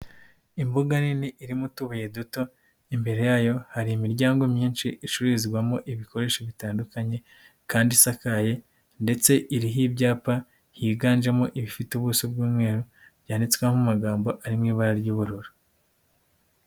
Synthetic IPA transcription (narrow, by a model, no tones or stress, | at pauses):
imbuɡaniniʔiɾimutuβuje̞duto̞ | imbe̞ɾe̞jaːjo̞haɾiimiɾɟaːŋɡo̞mɲiːnʃiʔiʃuɾizɡwamo̞ʔiβikʰo̞ɾe̞ːʃoβitaːndukaɲe̞ | kaːndisakaje̞ | nde̞t͡se̞ʔiɾiɦibɟaːpa | hiːɡaːnd͡ʒemoʔiβifituβusub̚ɡuːmŋe̞ːɾo | bjaːnit͡skwemumaɡaːmbo̞ʔaɾimŋiːβaɾaɾɟuːβuɾuɾo